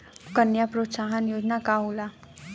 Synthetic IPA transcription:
kənjapɾot̪saɦənjoːd͡ʒnakaɦola

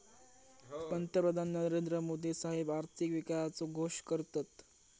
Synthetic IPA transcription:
pənt̪əpɾəd̪ʱanːəɾend̪ɾəmod̪isaɦebaɾt̪ʰikʋikajat͡soɡʱoʂkəɾt̪at̪

